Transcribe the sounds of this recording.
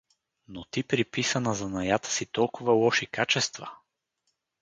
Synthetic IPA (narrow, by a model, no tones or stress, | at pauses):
not̪ipɾipisɐnəzɐnɐjat̪ə̥sit̪ɔlˠkʊvɐlˠɔʃikat͡ʃɛst̪və